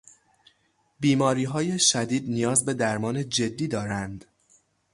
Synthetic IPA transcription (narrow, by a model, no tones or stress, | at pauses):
biːmɒːɾiːɦɒːje̞ʃæd̪iːd̪nijɒːzbe̞d̪æɾmɒːne̞d͡ʒe̞d̪ːiːd̪ɒːɾænd̪